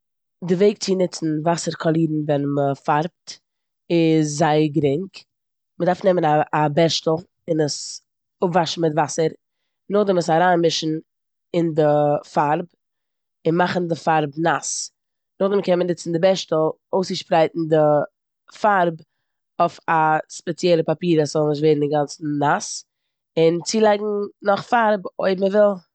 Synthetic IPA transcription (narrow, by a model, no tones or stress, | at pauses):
dɪveɪk̚t͡sɪnɪt͡sn̩vasəɾkʰɔlˠiːdn̩vɛnməfaɾp̚t | ɪszaɪəɡɾɪŋk | mədaɾfnɛmənaːbɛʃtl̩ˠ | ɪnəs | ʊpvaʃn̩mɪtvasəɾ | nʊχdɛməsaɾaːnmɪʃn̩ | ɪndɪfaɾb | ɪnmaχn̩dɪfaɾbnas | nʊχdɛmkɛnmənɪt͡sn̩dɪbɛʃtl̩ˠ | oʊsɪʃpɾaɪtn̩dɪ | faɾb | oɪfaspɛt͡sjɛlˠəpapiːɾaszɔlˠnɪʃ̬tveɪdn̩dɪɡant͡sn̩nas | ɪnt͡siːlˠaɪɡŋ̩nɔχfaɾboɪbməvɪlˠ